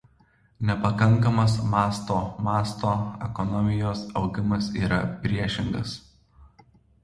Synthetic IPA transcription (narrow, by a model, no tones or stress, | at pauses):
nʲɛpɐkɐŋˑkɐmɐs̬mɑːst̪oːmɑːst̪oːɛkɔnɔmʲɪjoːsɒʊɡʲɪmɐsiːɾɐpʲɾʲiɛʃʲɪŋɡɐ̰s